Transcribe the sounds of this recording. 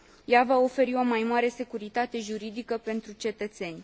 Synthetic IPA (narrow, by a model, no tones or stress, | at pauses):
javao̞fe̞ɾio̞majmaɾe̞se̞kuɾit̪at̪e̞ʒuɾid̪ikəpe̞nt̪ɾut͡ʃe̞t̪ət̪se̞nʲ